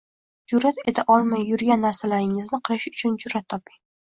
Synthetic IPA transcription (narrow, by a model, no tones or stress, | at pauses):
d͡ʒʊɾːat̪e̞t̪ʰaʔɒlˠmajːʊɾɡʲanːaɾsalaɾɪŋɪznɪqʰɨlˠɪʃʊ̥t͡ʃʰʊnd͡ʒʊɾːat̪ʰːɒpɪŋ